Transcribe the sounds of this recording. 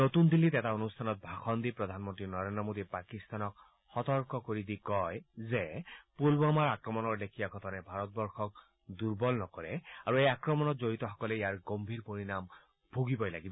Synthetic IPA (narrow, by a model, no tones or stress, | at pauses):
not̪und̪ilitɛtaonustʰanɔt̚bʱaxɔnd̪ipɹɔd̪ʱanmɔntɹinɔɹendɹɔmod̪ipakist̪anɔk̚ | xɔtɔɹkɔkoɹid̪ikɔjzɛpolbɔmaɹakɹɔmɔnɔɹdekʰijaɡʱɔtʰɔnɛbʱaɹɔt̚bɔɹxɔk̚ | duɹbɔlnɔkɔɹɛaɹuejakɹɔmɔnɔtzoɹitɔxɔ̥kɔlɛijaɹɡombʱiɹpoɹinam | b̥ʱuɡibɔjla̰ɡibɔ